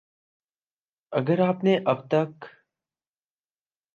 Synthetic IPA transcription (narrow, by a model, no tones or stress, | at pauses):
ɐɡəɾaːpneʔɐb̚t̪ɐk